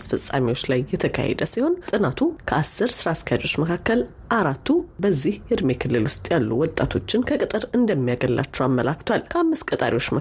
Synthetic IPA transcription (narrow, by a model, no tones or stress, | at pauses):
sfəsʼa̰miwot͡ʃːlajːɛt̪ʰəkʰa̰hɛ̰d̪əsiho̞ntʼɨnat̪ʰukʰəasːɨɾsɨɾaskʰajad͡ʒot͡ʃːməkʰakːəl | ʔaɾat̪ːubəzːihjɨd̪mekʰɨlːɨlwʊst̪ʼjalːuwɔt̪ʼːat̪ʰo̞t͡ʃːɪnkʰəkʼɨt̪ʼɨɾɨnd̪əmːijaɡəlːa̰t͡ʃːɛwamːəlakt̪ʰwalkʰəamːɨskʼət̪ʼa̰ɾiwot͡ʃːmə